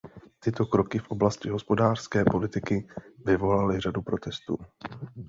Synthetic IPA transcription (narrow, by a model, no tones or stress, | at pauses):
t̪ɪt̪o̞kɾo̞kɪfʔo̞blascɪɦo̞spo̞daːr̥skɛːpo̞lɪt̪ɪkɪvɪvo̞lalɪr̝adupɾo̞t̪ɛst̪ṵː